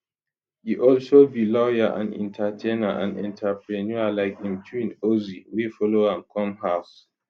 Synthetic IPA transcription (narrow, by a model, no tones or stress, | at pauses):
hiʔɔlʃobilɔjaʔã̰nḭ̃ntʰatʰenaʔã̰nɛ̰̃ntʰapʰɹẽnjualaɪkhĩmtʰuĩnoziwifɔloãnkʰɔ̃mhaʊs